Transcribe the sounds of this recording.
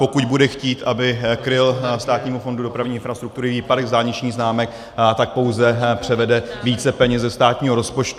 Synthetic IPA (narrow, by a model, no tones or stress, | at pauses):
po̞kuɟbudɛxciːt̪ʔabɪkɾɪlst̪aːt̪ɲiːmufo̞ndudo̞pɾavɲiːɪnfɾast̪ɾukt̪uɾɪviːpadɛɣzdaːɲɪt͡ʃɲiːxznaːmɛk | t̪ak̚po̞wzɛpr̥ɛvɛdɛviːt͡sɛpɛɲɛzɛst̪aːt̪ɲiːɦoɾo̞spo̞t͡ʃt̪u